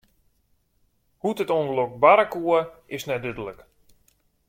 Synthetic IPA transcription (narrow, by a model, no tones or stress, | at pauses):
hutətondəlok̚baɾakuəɪsnɛdødələk